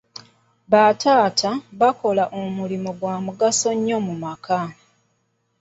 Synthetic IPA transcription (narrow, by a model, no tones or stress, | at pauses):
βatʰaːtʰaβako̞laʔomulimoɡwaːmuɡaso̞ɲːo̞mumaka